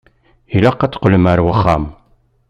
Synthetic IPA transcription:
ilaqːæt͡sːqələmæɾwəχːam

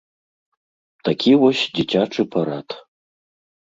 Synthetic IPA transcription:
t̪ʰakʲʰiwɔɕdit͡ɕʲaʈ͡ʂɨpʰaɾat̪ʰ

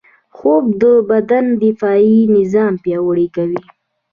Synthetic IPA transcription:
xob̚d̪əbad̪and̪ɪfɑinɪzɑmpjɑwəɽikawi

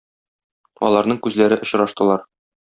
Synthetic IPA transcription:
ɒ̰lˠɑɾnɤŋkʉzlæɾɘʔŏɕɾɑʃt̪ɤ̆lˠɑɾ

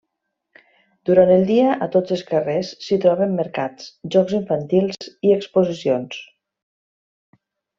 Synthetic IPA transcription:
d̪̥uɾant̪əlˠd̪iəʔət̪od͡zəlˠskəresːit̪ɾɔβemːəɾkat͡sʒɔkziɱfant̪ilˠziekspuzisions

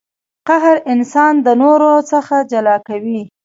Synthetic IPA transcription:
qaɦɾɪnsɑnd̪ənoɾot͡səxad͡ʒalɑkawi

